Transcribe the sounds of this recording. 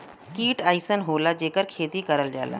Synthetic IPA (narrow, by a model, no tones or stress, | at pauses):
kiːʈaːɪsənɦoːlad͡ʒeːkəɾkʰeːt̪ikɐɾəld͡ʒa̰ːla̰ː